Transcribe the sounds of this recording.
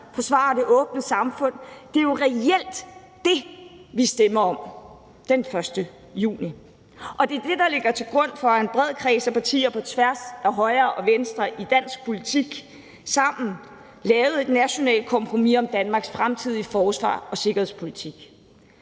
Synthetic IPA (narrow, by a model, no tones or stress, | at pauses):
fɒ̽sʋɑ̰̈ːd̥e̝ʔɔ̽ːb̥nəsɑ̈mfɔ̽n̰d̥e̝jo̝ʁɛel̰d̥ | d̥e̝ʋisd̥emɐɒ̽m | d̥enfɶɐsd̥ə | jṵːni | ʔɒ̽d̥e̝d̥e̝d̥ɑ̈le̝ɡ̥ɐt͡sʰe̝lɡ̥ʁɔ̽n̰fɒ̽enb̥ʁɛð̞̰ˠkʰʁɛ̰ːsæpʰɑ̈t͡sʰḭːɐpʰɒ̽t͡sʰʋæɐsæɦɒ̽ɪɐːʔɒ̽ʋensd̥ʁɐʔid̥æn̰sɡ̥̚pʰo̝lit͡sʰiɡ̥ | sɑ̈m̰n̩ | lɛːʊð̩ˠe̝d̥næɕo̝nɛ̰ːld̥̚kʰɒ̽mpʰʁo̝mḭɒ̽md̥ænmɑ̈ːɡ̥sfʁamt͡sʰið̞̰ˠifɒːsʋɑ̰̈ːɒ̽se̝ɡ̥ɐhe̝ðˠspʰo̝lit͡sʰiɡ̥